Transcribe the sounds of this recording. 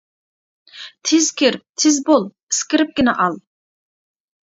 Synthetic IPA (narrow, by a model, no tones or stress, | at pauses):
t̪ʰɪzkʲeɾɪp̚t̪ʰɪzbolˠ | ɪskʲɪɾɪp̚ɡʲɪnɛʔɑlˠ